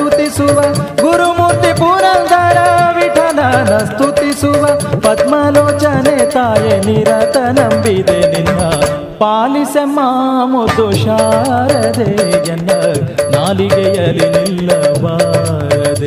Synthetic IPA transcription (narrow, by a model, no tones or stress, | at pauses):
ut̪isuʋɐɡuɾumuːɾt̪ipuːnɐnd̪ɐɾɐʋiʈʰɐnɐnɐst̪ut̪isuʋɐpɐd̪mɐloːt͡ʃɐnet̪aːjeniɾɐt̪ɐnɐmbid̪eninːɐ | paːlisemaːmud̪uʃaːɾɐd̪ejɐnːɐnaːliɡɛjɐlinilːɐʋaː | ɾɐd̪e